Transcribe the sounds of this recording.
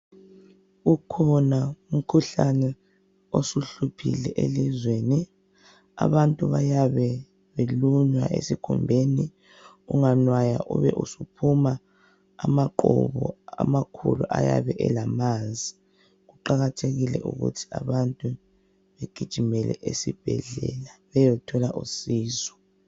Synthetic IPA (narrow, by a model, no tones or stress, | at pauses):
ukʰɔnaum̩kʰuɬanɛ | osuɬupʰḭlɛʔelizweːni | a̰βantʼuβajaβɛ | βeluɲwa̰ʔḛsikʰṵmbʱeni | uŋanwajaʔuβɛ̰ʔusupʰumaː | maǃɔ̰βɔa̰makʰṵluʔaja̰βɛʔɛlamanzʱi | ɣuǃaɣatʰeɣilɛ̰ʔṵɣṵtʰi̥aβantʼu | βeɡ̥ʱid̥ʒ̥ʱimɛlɛ̰ʔesib̥ʱɛɮɛ̰laβɛjɔtʰɔlaʔusiːzɔ̥